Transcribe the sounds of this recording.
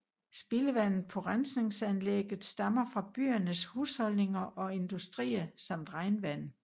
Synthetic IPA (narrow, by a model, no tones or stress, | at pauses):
sb̥iləʋæn̰ð̩ˠpʰɒ̽ʁansne̝ŋsænleɡ̥ð̩ˠsd̥ɑ̈mɐfʁɑ̈b̥y̰ːɐnəshuːshɒ̽lne̝ŋɐʔɒ̽e̝nd̥usd̥ʁḭːɐsɑ̈m̰d̥ʁɑ̈ɪnʋæn̰